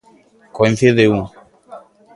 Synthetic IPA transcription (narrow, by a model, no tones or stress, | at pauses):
koĩnθeðeuŋ